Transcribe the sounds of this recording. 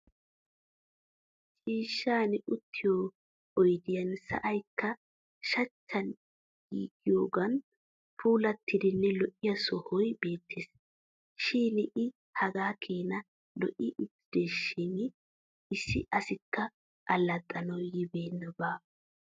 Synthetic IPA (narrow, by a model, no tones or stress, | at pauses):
t͡ʃʼiːʃːaːnɪʊt̪ʰːɪjoː | ɔjd̪ɪjɐnsɐ̰ʔɐjkːɐ | ʃɐt͡ʃːɐn | ɡḭːɡɪjoːɡɐn | pʰuːlɐt̪ʰːɪd̪ɪnːɛlɔʔːɪjɐsɔhɔjbe̞ːt̪ʰːeːs | ʃiːnɪʔɪ | hɐɡaːkʰeːnɐ | lɔ̰ʔɪʔɪtːɪd̪eːʃɪŋɪ | ɪsːɪ̰ʔɐsɪkʰːɐ | ʔɐlːɐt̪ʼːɐnɔwjɪbeːnːɔbaː